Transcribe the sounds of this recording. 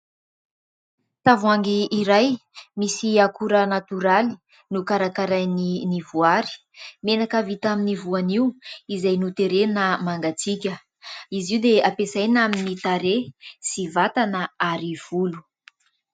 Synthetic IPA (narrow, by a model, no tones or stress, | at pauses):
t̪avuaŋɡiːɾajmisiakuɾənat̪yɾali̥ | nukaɾakaɾajninivuaɾi̥ | menakavit̪aminivuaniuizajnut̪eɾenəmaŋɡat͡sikʲə | iziwd̪eapesajnaminit̪aɾesivat̪anəaɾiv̥ulu̥